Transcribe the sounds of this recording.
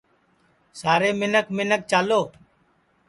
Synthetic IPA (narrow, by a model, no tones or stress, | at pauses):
saːɾeːmɪnəkmɪnək̚t͡ʃaːloː